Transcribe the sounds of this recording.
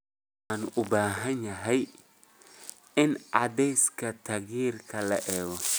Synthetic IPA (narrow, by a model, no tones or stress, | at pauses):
anʊbaːɦɐɲɐɦɛj | ɪnad̪ɛjskɐt̪ʰaɣiːrkʰɐlɐ̰ʔɛːɣɔ